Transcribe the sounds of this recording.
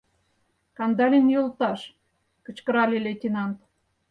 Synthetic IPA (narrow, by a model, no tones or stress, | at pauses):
kɑnd̪ɑlʲenjolt̪ɑʃ | kə̆t͡ɕkə̆ɾɑlʲelʲet̪ʲinɑnt̪